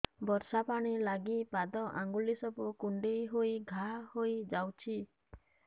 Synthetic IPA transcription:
bɔɾsapaɽ̃elaɡipad̪ɔʔaŋɡulisɔbukuɳɖejɦoiɡʱahojd͡ʒawt͡ʃʰi

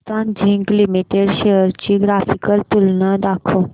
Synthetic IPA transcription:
t̪ãnd͡ʑʱĩŋɡlimiʈeɽɕejəɾt͡ɕiːɡɾafikəɾt̪ulnəd̪akʰo

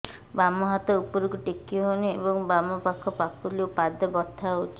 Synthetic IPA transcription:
bamɔɦat̪ɔupɔɾuɡɔʈekːiɦoneebɔŋbamɔpakʰɔpakuliopad̪ɔbɔt̪ʰːaɦut͡ʃʰi

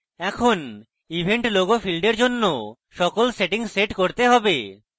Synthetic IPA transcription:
ɛkʰon | ibʱeɳʈloɡofʰilɖeɾd͡ʑonːo | ʃɔkolseʈiŋseʈkoɾt̪eɦɔbe

